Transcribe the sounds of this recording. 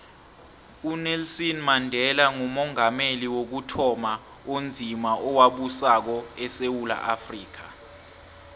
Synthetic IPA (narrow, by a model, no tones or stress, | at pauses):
unɛlsɔnmandʱɛlaŋumɔŋameliwok̬utʰɔma | ond͡zʱimaʔɔwaɓusak̬ɔɛsewula̰ʔafriːk̬a